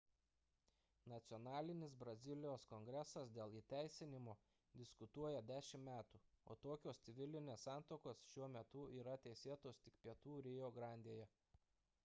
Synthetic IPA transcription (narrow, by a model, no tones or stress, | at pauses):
nɐt̪sʲɪɔnɑːlʲɪnʲɪsbɾɐzʲɪlʲɪjoːskɔŋʲɡɾʲɛsɐsd̪ʲeːlˠiːt̪ʲæˑɪsʲɪnʲɪmoː | d̪ʲɪskʊt̪uɔjɛd̪ʲæːʃʲɪmmʲæːt̪uː | o̰ːt̪oːkʲoːst̪sʲɪʋʲɪlʲɪnʲeːsɑˑnt̪oːkoːsʃʲuɔmʲɛt̪ʊiːɾɐt̪ʲɛɪsʲeːt̪oːst̪ʲɪkpʲiɛt̪uːɾʲeːjoːɡɾɑˑnʲd̪ʲeːjɛ